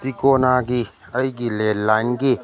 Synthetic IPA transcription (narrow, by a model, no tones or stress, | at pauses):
t̪ikonaːɡi | əjɡilelːanɡi